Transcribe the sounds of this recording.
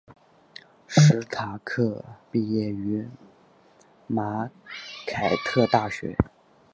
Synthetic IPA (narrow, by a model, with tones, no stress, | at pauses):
ʂʂɻ̩˧˥t̪ʰa˨˧˩kʰɤ˥˧pi˥˧jɛ˥˩y˧˥ | ma˧˥kʰa˨˩ɪt̪ʰɤ˥˧t̪a˥˩ɕɥɛ̰˧˥